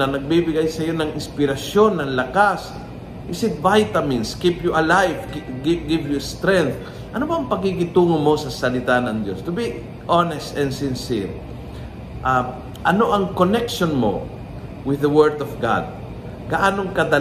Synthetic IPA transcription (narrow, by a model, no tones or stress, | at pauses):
ɐnɐɡ̚bibɪɡajsɐjo̞nɐŋɪnspɪɾɐsjo̞nːɐŋlɐkas | ʔɪsɪt̪̚vajt̪ɐmɪnskipjuʔɐlajvɡɪɡɪvjʊst̪ɾɛnθ | ʔɐnobɐːŋpɐɡ̚kɪkɪt̪uːŋomo̞sɐsɐlɪt̪anɐŋd̪jo̞st̪ʊbi | ʔɔnɛst̪ɛnsɪnsiɹ | ʔa | ʔɐnoʔɐŋkonɛkʃonmo̞̰ | wɪðɐwɛɹd̪ɔvɡa̰d̪̚ | ɡɐʔaːnoŋkɐd̪ɐ